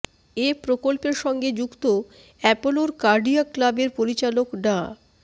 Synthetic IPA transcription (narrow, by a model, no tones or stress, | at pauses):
epɾokolpeɾʃɔŋɡed͡ʑukt̪o | ɛpoloɾkaɾɖiaklabeɾpoɾit͡ɕalokɖa